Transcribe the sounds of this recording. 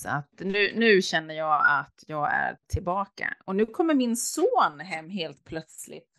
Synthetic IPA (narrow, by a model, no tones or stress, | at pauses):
sɔat̪nʉ̟ːnʉ̟ːɕɛnːəɾjɑːɡat̪ʰjɑːɡæ̰ɾʈ̪ʰɪlbɑːka̰ɔnʉ̟ːkʰɔmːəɾmɪnsoːnɦɛmːɦeːlt̪pʰlœt̪slɪ̰t̪